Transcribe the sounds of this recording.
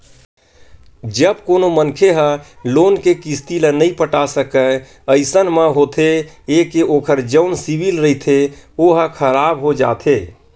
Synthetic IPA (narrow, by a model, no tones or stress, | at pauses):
d͡ʒəb̚koːnomənkʰeɦə | loːnkekist̪ilənəĩpəʈasəkə | əɪsənmə̃ɦoːt̪ʰe | eːkeoːkʰəɾd͡ʒəʊnsibilɾəɦit̪ʰeoɦəkʰəɾaːbɦod͡ʒa̰ːt̪ʰeː